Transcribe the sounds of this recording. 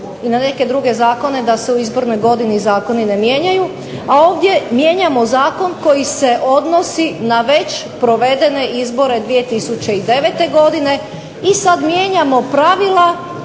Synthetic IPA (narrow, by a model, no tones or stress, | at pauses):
inane̞ke̞d̪ɾuɡe̞zaːko̞ne̞d̪ase̞uizbo̞ɾno̞jɡo̞d̪inizaːko̞ninemjeːɲaju | ao̞ːʋd̪ʲje̞mje̞ɲamo̞zaːko̞nko̞jise̞ʔo̞d̪no̞sinaʋe̞t͡ɕ | pɾo̞ʋe̞d̪e̞ne̞ʔizbo̞ɾe̞d̪ʋije̞t̪isut͡ɕe̞id̪e̞ʋe̞t̪e̞ɡo̞d̪ine̞ | isad̪mje̞ːɲamo̞pɾaʋilˠa